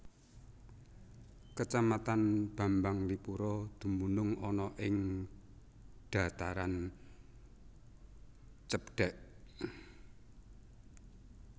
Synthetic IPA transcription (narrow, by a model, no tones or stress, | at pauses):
kət͡ʃamat̪anb̥a̤mbaŋlipuɾɔd̪̥ṳmunʊŋɔnɔʔɪŋ | ɖ̪̥a̤t̪aɾan | t͡ʃəpɖ̥ɛʔ